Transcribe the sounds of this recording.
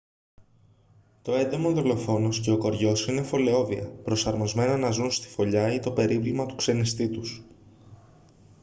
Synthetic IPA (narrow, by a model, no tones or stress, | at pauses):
t̪o̞e̞d̪emonðolo̞fo̞no̞sce̞o̞ko̞ɾʝo̞sine̞fo̞le̞o̞viɐ̰pɾo̞sɐɾmo̞zme̞nɐnɐzunst̪i̥fo̞ʎɐit̪o̞pe̞ɾivlimɐt̪u̥kse̞nist̪it̪us